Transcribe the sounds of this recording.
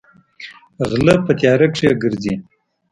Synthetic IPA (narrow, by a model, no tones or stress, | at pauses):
ɣləpət̪jɑɾəkʂjaɡəɾzi